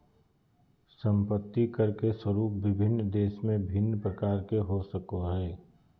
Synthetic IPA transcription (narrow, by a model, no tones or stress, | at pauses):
sə̃mpət̪ːikɐɾkeswəɾuːp̚ʋɪbʱɪnːd̪eːʃmẽbʱɪnːpɾəkaːɾkeɦosəkoɦɛː